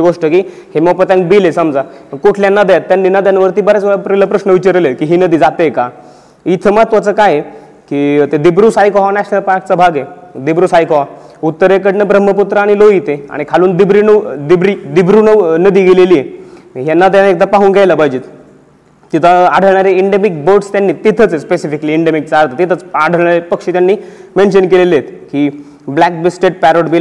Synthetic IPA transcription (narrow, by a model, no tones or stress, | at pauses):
ɡoʂʈəkiː | heməwpət̪jãŋk̚bilesəmd͡zaəkoʈʰljanːad̪jat̪ːjanːinad̪janʋəɾt̪iːbəɾat͡sʋɭapɾiləpɾəɕnəʋit͡ɕəɾlekiːɦiːnəd̪iːd͡zat̪eeka | it̪ʰəmat̪ʋat͡səkaje | kiːt̪ed̪ibɾuːsajkɔʋanasapak̚t͡sabʱaɡje | d̪ibɾuːsajkɔʋa | ut̪ːəɾekəɽnəbɾəm̤ːəput̪ɾaaɽ̃iloit̪ea̰ɽ̃ikʰaluːnd̪ibɾinəd̪ibɾid̪ibɾunənəd̪iːɡeleliːje | ɦjanːat̪janek̚d̪apaɦuːnɡajləbʱajd͡ʑiːt̪ | t̪it̪ʰəaɽ̤əʋɳ̃aɾeiɳɖemik̚boʈst̪janːiːt̪it̪ʰət͡sespesifikəliiɳɖemik̚t͡saaɾt̪ət̪it̪ʰət͡saɽ̤ʱəɭɳ̃aɾepəkʂiːt̪janːiːmenɕənkelelet̪ki | blæk̚bisʈeʈ̚pæɾoɽbil